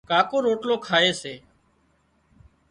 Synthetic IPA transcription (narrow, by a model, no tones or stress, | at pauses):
kaːkoːɾoːʈloːkʰaːeːseː